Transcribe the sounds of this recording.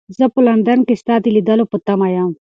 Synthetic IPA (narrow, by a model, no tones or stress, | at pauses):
zɐpʊlɐnd̪ɐnkist̪aːt̪ilid̪ɐlopʊt̪ːamajam